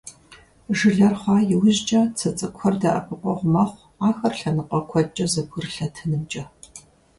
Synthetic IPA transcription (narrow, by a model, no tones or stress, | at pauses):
ʒɨɮɐrχʷɑːjɪwʑt͡ʃʼɐt͡sʰɐt͡sʼɨkʷʰɔrdɐʔɐ̰pʰɨqʷʼɔʁʷʊmɐχʷ | aːxɐrɬɐnɨqʼɐkʷʰɔt͡ʃʼɐzɐbʷʊrɬɐtʰɨnɨmt͡ʃʼɐ